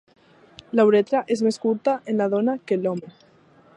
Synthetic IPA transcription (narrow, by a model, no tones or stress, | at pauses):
lawɾet̪ɾaʔezmeskuɾt̪aʔenlað̞onakelome